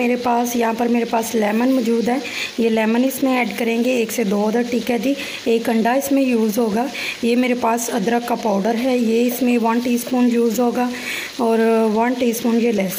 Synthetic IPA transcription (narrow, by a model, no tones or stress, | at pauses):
eːɾepaːsjɐɦãːpɐɾmeːɾepaːslɛːmənmɔːd͡ʒuːd̪ɦɛːjelɛːmənɪsmẽɛːɖkɐɾẽːŋɡeːksed̪oːəd̪əɾʈiːkɛd̪i | eːkɐ̃ɳɖaɪsmẽjuːzɦoːɡaːjemeːɾepaːsɐd̪ɾəkːapaːʊɖəɾɦɛjeɪsmẽʋɐnʈiːspoːnjuːzɦoːɡaː | ɔːɾʋɐnʈiːspoːnjelɛːs